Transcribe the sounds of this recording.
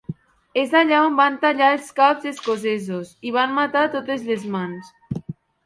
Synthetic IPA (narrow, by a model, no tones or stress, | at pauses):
ezaʎaombant̪aʎaelˠskapzeskozezosiβ̞anmat̪at̪ot̪ezlezmans